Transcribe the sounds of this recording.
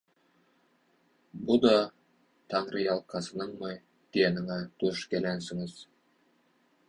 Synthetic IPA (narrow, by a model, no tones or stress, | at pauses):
bʊd̪ɑ | t̪ʰɑɴɾijɑlˠqʰɑsə̆nəɴmɑj | d̪̥ejenɪŋæt̪ʰɵʃkʲælænsɪŋɪz̥